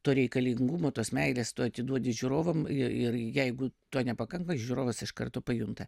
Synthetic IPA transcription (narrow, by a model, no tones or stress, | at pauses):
t̪oːɾʲɛɪkɐlʲɪŋɡumoːt̪oːsmʲɛɪlʲeːst̪oːɐt̪ʲɪd̪uɔdʲɪʒʲuːɾoːʋɐmɪɪrjɛɪɡʊt̪uɔnʲɛpɐkɐŋkɐʒʲuːɾoːʋɐsɪʃkɐ̰rt̪oːpɐjunt̪ɐ